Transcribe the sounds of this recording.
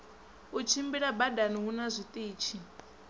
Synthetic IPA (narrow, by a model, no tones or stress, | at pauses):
ut͡ʃʰimbiɺabadaniɦunazʷit̪ʼiːt͡ʃʰi